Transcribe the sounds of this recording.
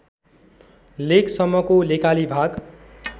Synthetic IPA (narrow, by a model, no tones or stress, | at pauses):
leksʌmːʌkolekalibʱaɡ